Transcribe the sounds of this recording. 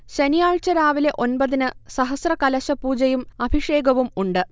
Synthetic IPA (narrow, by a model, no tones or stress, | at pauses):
ɕenijaːɻt͡ɕɐɾaːʋile̞ʔo̞nbɐðinɨsɐɦɐsrɐkɐlɐɕɐpuːd͡ʑɐjumɐbʱiʂe̞ːɡɐʋumuɳɖɨ